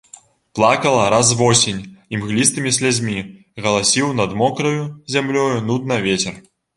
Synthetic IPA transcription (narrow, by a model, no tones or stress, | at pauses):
plˠakɐlˠɐɾazvɔsʲinʲimɣlʲist̪ɨmʲisʲlʲad͡zʲmʲi | ɣɐlˠasʲiwnɐd̪mɔkɾɐjuzʲamlʲɔjunud̪nɐvʲet͡sʲɛr